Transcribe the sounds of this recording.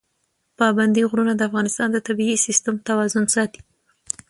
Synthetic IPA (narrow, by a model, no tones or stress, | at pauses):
pɑband̪iɣɾunad̪əafɣɑnɪst̪ɑnd̪ət̪abiisɪst̪amt̪awɑzʊnsɑt̪i̥